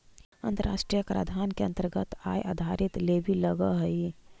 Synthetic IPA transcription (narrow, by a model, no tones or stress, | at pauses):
ənt̪əɾa̰sʈɾijəkɾa̰d̪ʱankeə̃nt̪əɾɡət̪a̰jʔa̰d̪ʱaɾit̪lebʱiləɡəɦəi